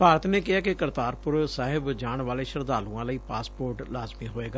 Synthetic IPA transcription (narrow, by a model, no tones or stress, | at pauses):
paːɾət̪neːkɪɦaːkɪkəɾt̪aːɾpʊɾsaːɦɪbd͡ʒaːɳʋaːleːʃəɾd̪aːlũːãːləiːpaːspoːɾʈlaːzmiːɦoːeːɡaː